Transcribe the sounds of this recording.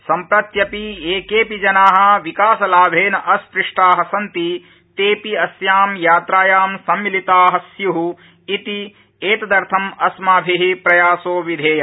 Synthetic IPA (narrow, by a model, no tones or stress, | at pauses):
sɐmpɾɐt̪jɐpieːkeːpid͡ʒɐnaːɦɐ̆ʋikaːsɐlaːbʱeːnɐʔɐspɾiʂʈaːɦɐsɐnt̪i | t̪eːpiɐsjaːmjaːt̪ɾaːjaːmsɐmːilit̪aːɦɐsjuɦu | it̪i | eːt̪ɐd̪ɐɾt̪ʰɐmɐsmaːbʱiɦipɾɐjaːsoːʋid̪ʱeːjɐ